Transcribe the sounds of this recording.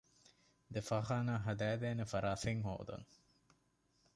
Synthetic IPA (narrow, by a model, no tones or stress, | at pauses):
d̪efaɦaːnaːɦɐd̪æːd̪eːnefɐɾaːseŋɦo̰ːd̪ɐ̰ŋ